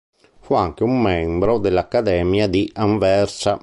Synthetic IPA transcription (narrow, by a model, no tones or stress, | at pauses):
fuaŋk̟eumːɛmbɾɔd̪elːakːad̪ɛmjad̪iʔaɱvɛrsa